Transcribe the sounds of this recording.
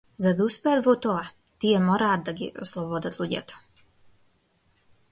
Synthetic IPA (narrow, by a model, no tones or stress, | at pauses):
zad̪uspejd̪vot̪oa | t̪ijemoɾaːd̪aɡḭʔoslˠɔbod̪at̪ʰlˠuɟa̰t̪o̥